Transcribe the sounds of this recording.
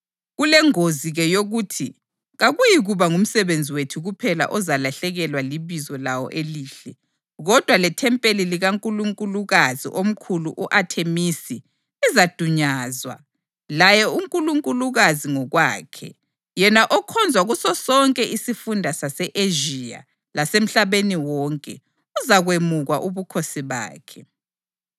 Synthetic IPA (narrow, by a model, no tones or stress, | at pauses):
ɣulɛŋoziɣɛjoɣuːtʰi | ɣaɣujiɣuβaŋum̩sɛβend͡zʱiwetʰuɣupʰɛla̰ʔɔzalaɬɛɣɛlwaliβizɔlawɔ̰ʔeliːɬɛ | ɣɔd̥ʱwalɛtʰɛmpʼeliliɣaŋkʼuluŋkʼuluɣazḭʔom̩kʰuluʔuʔatʰemisi | izad̥ʱuɲaːzwa̰ | lajɛuŋkʼuluŋkʼuluɣaziŋɔɣwa̰ːkʰɛ̰ | jɛnaʔɔkʰɔnd͡zʱwaɣusɔsɔŋkʼɛʔisifundʱasasɛʔeʒia̰ | lasem̩ɬaβeniwɔŋkʼɛ̰ | uzaɣwemuɣaʔuβukʰosiβa̰ːkʰɛ